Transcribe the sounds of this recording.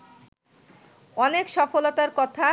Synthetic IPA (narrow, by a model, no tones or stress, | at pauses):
ɔnekʃɔfolot̪aɾkɔt̪ʰa